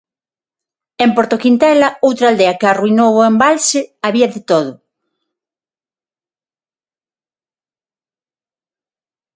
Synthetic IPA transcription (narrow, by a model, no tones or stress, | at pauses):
empoɾt̪okint̪ɛlɐowt̪ɾald̪ɛɐkɪaruinoβoembalsɪaβiɐðɪt̪oðʊ